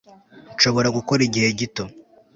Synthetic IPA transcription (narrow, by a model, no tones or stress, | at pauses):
nʃo̞βo̞ɾaɡuko̞ɾiɟihe̞ɟito̞